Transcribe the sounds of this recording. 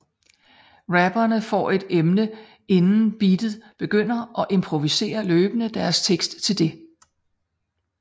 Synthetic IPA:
ʁæb̥ɐnəfɒ̰ːe̝d̥emnə | e̝nn̩b̥id̥ð̩ˠb̥e̝ɡ̥øn̰ɐʔɒ̽ʔe̝mpʰʁo̝ʋise̝̰ːɐløːb̥ənəd̥æɐst͡sʰeɡ̥sd̥t͡sʰe̝ld̥e̝

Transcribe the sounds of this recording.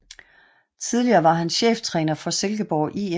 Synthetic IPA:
t͡sʰiðˠliɐːʋɑ̈ɦænɕḛːft͡sʰʁɛ̰ːnɐfɒ̽selɡ̥əb̥ɒʊʔie

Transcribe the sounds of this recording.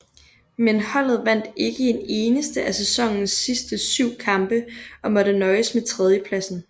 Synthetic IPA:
menhɒ̽l̰ð̞̩ˠʋæn̰d̥e̝ɡ̥əene̝ːnəsd̥əʔæsesɒ̽ŋ̰n̩sːisd̥əsyʊ̰kʰɑ̈mb̥əɒ̽mɒ̽ɾ̥ənɒ̽ɪsmet͡sʰʁɛð̞ˠjəpʰlæsn̩

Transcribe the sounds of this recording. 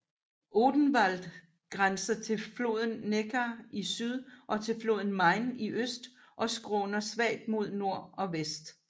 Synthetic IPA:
ʔoːd̥n̩ʋæl̰d̥ | ɡ̥ʁansɐt͡sʰe̝lflo̝̰ð̞ˠn̩ːeɡʰɐisyð̞ˠʔɒ̽t͡sʰe̝lflo̝ːð̞ˠn̩mɑ̈ɪniʔøsd̥ | ʔɒ̽sɡ̥ʁɔːnɐsʋɛ̰ɪd̥mo̝ð̞̰ˠno̝ɐ̰ɒ̽ʋesd̥

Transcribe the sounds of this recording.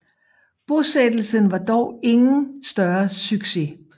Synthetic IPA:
b̥osed̥l̩sənʋɑ̈d̥ɒʊe̝ŋn̩sd̥ɶɐsyɡ̥se̝

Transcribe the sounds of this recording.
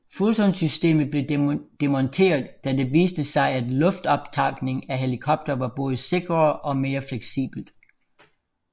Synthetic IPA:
fulsɒ̽nsysd̥e̝̰ːmð̩ˠb̥le̝d̥e̝mɒnt͡sʰe̝̰ːɐðˠd̥æd̥e̝ʋiːsd̥əsɑ̈ɪæd̥lɔ̽fd̥ɒ̽b̥t͡sʰɑ̈ɡ̥ne̝ŋæɦe̝likʰɒ̽b̥̚d̥ɐʋɑ̈b̥ɔ̽ːð̞ˠəse̝ɡ̥ʁɐʔɒ̽me̝ːɐfleɡ̥sḭːb̥l̩d̥

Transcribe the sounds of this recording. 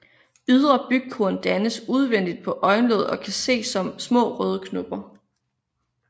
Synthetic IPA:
yð̞ˠʁɐb̥yɡ̥̚kʰuɐnd̥ænəsuð̞ˠʋen̰d̥id̥̚pʰɒ̽ʔɒ̽ɪnlɔ̰ːð̞̩ˠɒ̽kʰæse̝̰ːsɒ̽msmɔ̰̽ːʁœːð̞ˠəkʰnob̥ɐ

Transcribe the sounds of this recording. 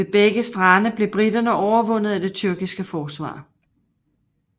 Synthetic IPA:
e̝b̥eɡ̥əsd̥ʁɑnəb̥le̝b̥ʁid̥ɐnəʔɒʊɐʋɔ̽n̰ð̞̩ˠæd̥e̝t͡sʰyɐɡ̥isɡ̥əfɒːsʋɑ̰̈ː

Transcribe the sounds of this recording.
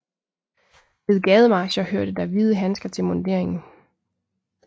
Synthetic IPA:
ʋe̝ðˠɡ̥ɛð̞ˠəmɑ̈ːɕɐhøɐ̰d̥ɾ̥əd̥æʋiːð̞ˠəɦænsɡ̥ɐt͡sʰe̝lmɔnd̥e̝ɐ̰e̝ŋn̩

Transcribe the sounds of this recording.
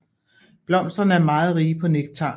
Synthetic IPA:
b̥lɒ̽m̰sd̥ɐnəæɐmɑ̈ːð̩ˠʁiːpʰɒ̽neɡ̥̚t͡sʰɑ̰̈ː

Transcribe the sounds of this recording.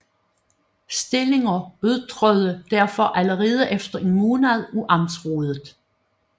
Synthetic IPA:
sd̥e̝le̝ŋɐøðˠt͡sʰʁœðˠəd̥æɐfɒ̽ʔæləʁeːð̞ˠəʔefd̥ɐʔimuːnæðˠuʔɑ̈msʁoːð̞ˠð̩ˠ

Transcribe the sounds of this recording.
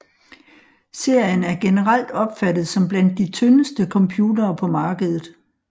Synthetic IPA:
se̝ɐ̰jənæɐɡ̥e̝nəʁal̰d̥ɒ̽b̥fæd̥ð̩ˠsɒ̽mb̥læn̰d̥ːit͡sʰønəsd̥əkʰɒ̽mpʰjuːdɐːpʰɒ̽mɑ̈ːɡ̥əð̞̩ˠð̩ˠ

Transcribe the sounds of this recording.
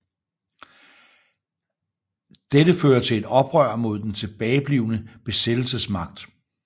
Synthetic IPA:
d̥edəføːɐt͡sʰe̝le̝d̥ɒ̽b̥ʁɶɐ̰mo̝ð̞̰ˠd̥ent͡sʰe̝b̥ɛːɪb̥liːʊnəb̥e̝sed̥l̩səsmɑ̈ɡ̥̚d̥

